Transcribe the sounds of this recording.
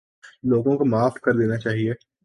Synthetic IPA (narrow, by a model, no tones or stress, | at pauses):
loːɡõkomaːfkɐɾd̪eːnat͡ʃaːɦie